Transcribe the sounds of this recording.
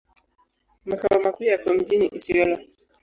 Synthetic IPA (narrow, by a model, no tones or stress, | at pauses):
makawamakujatuɔm̩d͡ʒiniʔisiɛla